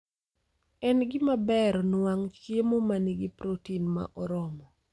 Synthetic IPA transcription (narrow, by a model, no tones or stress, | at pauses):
ɛnɡɪmabɛɾɔnwaŋt͡ʃjemomaniɡɪpɾotinma̰ʔɔɾɔmɔ